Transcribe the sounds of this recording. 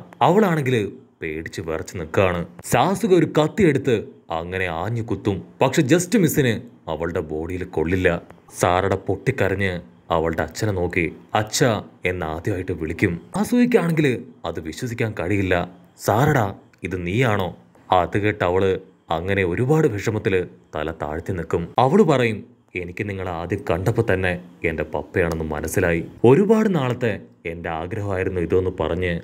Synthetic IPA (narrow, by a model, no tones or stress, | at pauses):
ɐʋɐɭaːɳe̞ŋɡilpe̞ːɽit͡ɕːɨʋerɐt͡ɕːɨnikːɨaːɳɨsaːsuɣɐo̞ɾukɐt̪ːije̞ɽut̪ːɨɐ̰ŋːɐne̞aːɲːɐkut̪ːumpɐkʂe̞d͡ʑɐstɨmisinɨɐʋɐɭɨɽe̞bo̞ːɽijilko̞̰ɭːilːɐ | sa̰ːɾɐɽepo̞ʈːikʲːɐɾɐɲːɨ | ɐ̰ʋɐɭɽeɐt͡ɕːɐnɐno̞ːkːiɐt͡ɕːɐe̞nːa̰ːd̪jɐmaːjiʈːɨʋiɭikʲːumasuːjikʲːaːɳeŋɡilɐðɨʋiɕwɐs̬ikʲːaːnkɐɻijilːɐ | saːɾɐɽaː | iðɨniːjaːɳo̞ː | ɐðɨɣeːʈːɐʋɐɭɨ | ɐŋːɐne̞o̞ɾubaːɽɨbʱeʂɐmɐt̪ːilt̪ɐ̰lɐt̪a̰ːɻt̪jɐnikːumɐʋɐɭɨpɐrɐjum | e̞nikʲːɨniŋːɐɭaːd̪jɐkɐɳɖɐpːot̪ɐnːe̞ende̞pɐ̰pːɐjaːɳe̞nːɨmɐ̰nɐsːilaːjio̞ɾubaːɽɨnaːɭɐt̪ːe̞e̞nde̞aːɡɾɐɦɐmaːjiɾunːuiðɨo̞nːupɐrɐɲːɨ